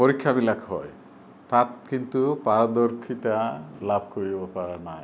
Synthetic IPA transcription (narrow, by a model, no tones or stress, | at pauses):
poɾikʰːabilakʰɦɔj | t̪at̪kint̪upaɾad̪oɾkʰit̪alabʱkoɾibɔpaɾanaj